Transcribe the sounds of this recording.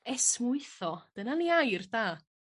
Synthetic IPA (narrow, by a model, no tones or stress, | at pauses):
ɛsmʊɨθɔd̥ənaniajrdaː